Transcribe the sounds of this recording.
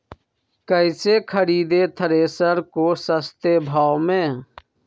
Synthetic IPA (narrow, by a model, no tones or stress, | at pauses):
kəɪsekʰəɾiːd̪et̪ʰəɾeːsəɾkoːsəst̪ebʱaːwmẽː